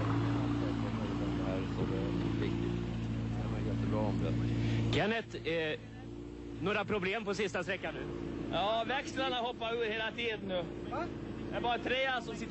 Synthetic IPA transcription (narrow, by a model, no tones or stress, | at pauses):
aɛɛtɔɾd̪ɛd̪ɛhæːɾsɔd̪ɛ̰vɪ̰kt̪ɪkʰamɛjjɛt̪ːəbɾɑːɔmd̪ɛ̰ɡɛnət̪ | noːɾapʰɾʊbleːmpɔsɪst̪ast̪ɾɛkːanːʉ̟ːjɑːvækslanahɔpːaɵːəɾheːlat̪ʰiːd̪ənnʉː | dɛbɑːɾat̪ʰɾeːasɔmsɪt̪ː